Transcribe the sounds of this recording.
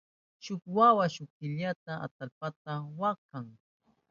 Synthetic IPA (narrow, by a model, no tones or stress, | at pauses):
ʃʊkwawaʃʊkɪʎat̪aʔa̰t̪alpat̪awaqaŋ